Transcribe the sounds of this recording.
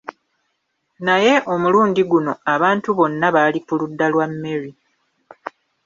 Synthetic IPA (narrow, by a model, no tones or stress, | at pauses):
naje̞ʔo̞muluːndiɡuno̞aβaːntuβo̞nːaβaːlikuludːalwamːe̞ɾi